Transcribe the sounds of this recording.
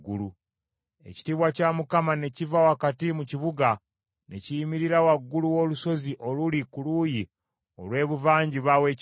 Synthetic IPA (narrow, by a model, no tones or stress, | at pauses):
ɡulu | e̞̰ci̥tiβwacamukamane̞civawakatimuciβuɡa | nḛcijimiɾiɾawaɡːuluwo̞luso̞ziʔo̞lulikuluji | o̰lwe̞ːβuvaːɲɟiβawe̞c